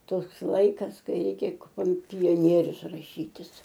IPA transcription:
ˈtoːks ˈlˠɐɪkɐs ˈkɐɪ ˈrʲɛɪkʲɛ koːm pʲoːˈnʲiɛrʲʊs rɐˈʃʲiːtʲɪs

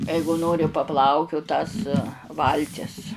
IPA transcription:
ˈɛɪɡʊ ˈnoːrʲɪ pɐˈplˠɐʊkʲʊt tɐs ˈʋɐlʲtʲɪs

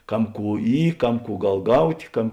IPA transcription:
ˈkɐm ˈkuː ˈiː ˈkɐm ˈkuː ˈɡɐlˠ ˈɡɐʊtʲ ˈkɐm

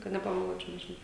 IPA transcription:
kɐt nʲɛpɐmʲɛˈlˠuɔt͡ʃʲɛʊ nʲɛʒʲɪˈnɐʊ

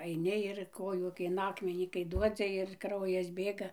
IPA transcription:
ɐɪˈnʲɪ ɪr ˈkoːjuː kɐɪ ɪn ˈɑːkmʲɛnʲiː kɐɪ ˈduɔd͡zʲɪ ɪr ˈkrɐʊjɛs ˈbʲeːɡɐ

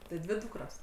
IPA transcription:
tʲɪ ˈdʲʋʲɪ ˈduːkroːs

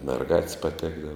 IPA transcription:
mʲɛrˈɡɐtʲsʲ pɐˈtʲæːɡdɐʋɐ

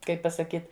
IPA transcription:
ˈkɐɪp pɐsɐˈkʲiːt

